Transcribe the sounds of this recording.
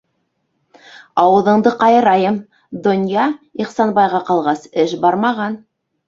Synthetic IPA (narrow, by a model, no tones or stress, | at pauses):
ɑwɤ̆ðɤ̆ɴd̪ɤqɑjɤ̆ɾɑjɤm | d̪ŏnjɑiχsɑnbɑjʁɑqɑlˠʁɑsɘʃbɑɾmɑʁɑn